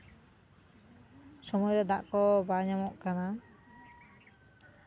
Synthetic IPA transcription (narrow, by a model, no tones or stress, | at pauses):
sɔmɔjɾɛd̪aʔkɔbaɲamɔʔkana